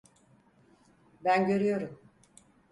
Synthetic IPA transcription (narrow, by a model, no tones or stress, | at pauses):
bænɟø̞ɾyjo̞ɾum